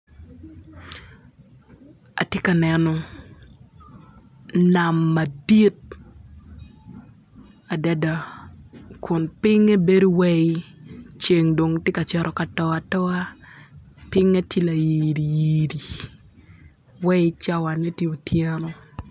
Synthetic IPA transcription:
a̰˨tjɪ˦ka˨nɛ˨nɔ˨ | na˨mːa˨di˦t̚ | a˨da˦da˨ | kʰʊ˨npɪ˦ŋe˦be˦do˦wɛ˦t͡ʃe˨ŋdo˨ŋtjɪ˦ka˨t͡ʃɛ˦ɾʔɔ˨ka˨tɔ˦a˨tɔ˦a˦ | pɪ˦ŋe˦tʰi˦la˨ji˨ɾi˨ji˨ɾi˨ | wɛ˦t͡ʃa˦wa˨ne˦tji˦o˨tʰjɛ˦nɔ˦

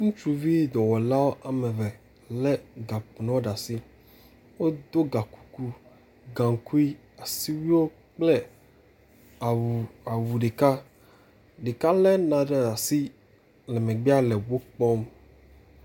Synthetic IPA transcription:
ŋũ˦t͡ʃu˦vi˦d̪ɔ˨wɔ˨la˦wo˦ʔa˨mɛ˨vɛ˨ | lɛ˦ɡa˨pnɔ̃˦wo˦ɖa˨si˦ | wo˦d̪o˦ɡa˨ku̥˨ku˦ | ɡã˨ŋ˨ku˦i˦ | a˨si˦wi˦wo˦ | k͡plɛ˦ | a˨a˨wu˨ɖe˨ka˦ | ɖe˨ka˦lɛ˦nã˨ɖe˦a˨si˦ | lɛ˨mẽ˨ɡ͡bi˦a˦lɛ˨wo˦k͡pɔ˦m

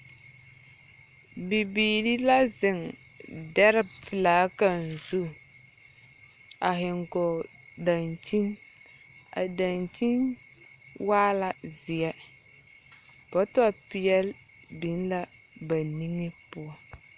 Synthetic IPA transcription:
bi˨biː˨ɾi˦la˦zɪ˨ŋ | dɛ˦ɾɪ˦fɪ˨laː˨˦ka˨n̩˨zu˦˨ | a˨ɦɪ˨ŋɡɔ˨da˨nt͡ʃi˦n | a̰˨da˨nt͡ʃi˦n | waː˦la˨zɪ˨jɛ˦ | pɔ˦tɔ˦a˦˨pi˨jɛ˦lbi˨˦n˦la˦ba˨ni˦ŋɪ˦pʊ˦ɔ˦

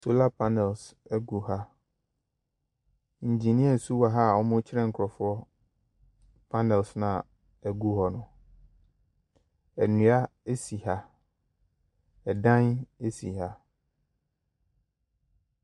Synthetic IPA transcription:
so˦la˦pʰa˦nɛ˨lsɛ˦ɡu˨ɦa˦ | n̩˨d͡ʑi˨nĩ˦ɛ˨n̩˨su˦wa˨ɦa˦˨ɔ˦mʊ̃˦t͡ɕʰɪ˦ɾɛ̃˦ŋ̩˨kʰɾɔ˨fʊ˦ɔ˦ | pʰa˦nɛ˨lsnã˨ | æ˨ɡu˦ɦɔ˨nʊ̃˨ | ɛ˨nũ˨a˦e˦si˨ha˦ | ɛ˨dã˦ne˦si˨ha˦

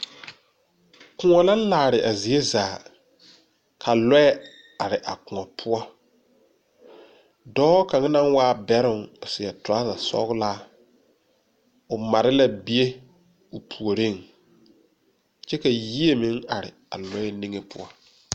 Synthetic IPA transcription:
kʊ˨ŋɔ˨la˦laː˨ɾɪ˨ʔa˨zi˨e˦zaː˨ | kʰa˨lɔ˦ɛ˦ | a˨ɾɪ˨ʔa̰˨kʊ˨ŋɔ˨pʰʊ˦ɔ˦ | dɔː˦ka˨ŋa˦na˦ŋwaː˦bɛ˦ɾʊ˨ŋʊ˨sɪ˨ɛ˨tʊ˨a˦za˨sɔ̰˦ɣlaː˦ | ʊ˨ma˨ɾɪ˦la˦bi˦e˦ | ʊ˨pʰu˨o˨ɾe˦˨ŋ | t͡ʃɛ˦ka˨ji˦e˦mɪ˦ŋa˨ɾɪ̰˨ | a̰˨lɔ˦ɛ˦ni˦ŋe˦pʊ̰˦ɔ˦

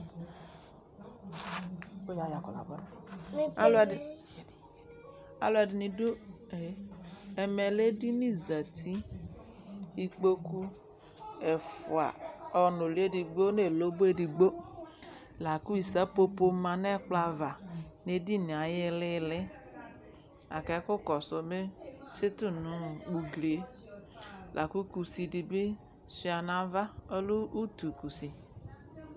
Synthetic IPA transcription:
o˦ja˨˦˨ja˨kɔ̰˨la̰˨bɔ˦da˦la˨ | a̰˨lo˦a˨dɪ˨ni˨do˦ | e˨˦ɛ˨mɛ˨le˦di˦ni˦za˨t̪ʰi˦ | i˦k͡po˦ku˦ | ɛ˨fʊ˨a̰˨ɔ˨no˨li˨˦e˦di˨ɡ͡bo˦ne˦˨lo˦bo˦e˦˨di˨ɡ͡bo˦ | la˨ku˦i˨sa˦po˦po˦mã˨ne˦k͡pla˨va˨ne˦di˦˨ni˨a˨jɪ˦lɪ˦lɪ˦ | a̰˨kɛ˨˦kʊ˦kɔ˨sʊ˨be˦t͡ʃɪ˦tu˦nʊ̃˨˦wu˨ɡle˨˦ | lʔa˨ku˦ku˨si˨di˨bi˦ | si˨˦a˨nã˨va˦o˦lu˦u˦tu˨ku˨si˨

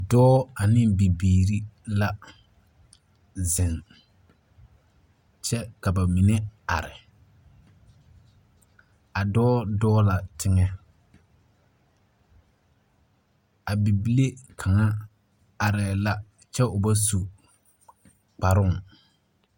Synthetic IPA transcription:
dɔː˦a˨nɪ˦bi˨biː˨ɾi˦la˦ | zɪ˨ŋ | t͡ʃɛ˦ka˨ba˨mi˨nɛ˦a̰˨ɾɪ˨ | a˨dɔː˦dɔː˦la˨tʰɪ˦ŋɛ˦ | a˨bi˨bi˦le˦kʰa˨ŋa˦ | a˨ɾɛ˨la˦ | t͡ʃɛ˦ʊ˨ba˦su˨ | k͡pa˨ɾʊ˦ŋ˨

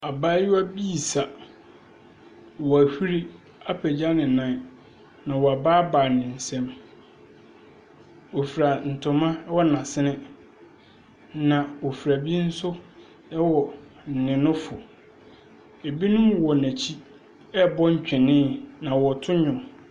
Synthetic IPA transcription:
a˨baː˦jʊ˦a˦bi˦˨sa˨ | wɔ˨æ˨hi˦ɾi˦ | a˦pʰɛ˨d͡ʑa˦nɪ̃˨nã˨˦ | nã˨wɔ˨a˨baː˦baː˨nɪ̃˨n̩˨sɛ̃˦m | o˨fi˨ɾa˨n̩˨tʰʊ̃˨mã˦wɔ˦nã˨sɪ˦nɪ̃˦ | nã˨wo˨fi˨ɾæ˨bi˦n̩˦sʊ˦ | ɛ˦wɔ˨ | n̩˨nɪ̃˨nʊ̃˦fʊ˨ | e˨bi˦nʊ̃˦mwɔ˨næ̃˨t͡ɕʰi˦ | ɛ˦bɔ˦ɲ̩˦t͡ɕᶣɪ̃˨nɪ̃˦nã˨wɔ˨tʰʊ̃˦ɲʊ̃˨

